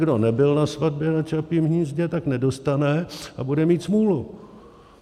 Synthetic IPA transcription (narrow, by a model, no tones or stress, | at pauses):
ɡdo̞nɛbɪlnasvad̚bjɛnat͡ʃapiːmɦɲiːzɟɛt̪aknɛdo̞st̪anɛʔabudɛmiːt̪smuːlu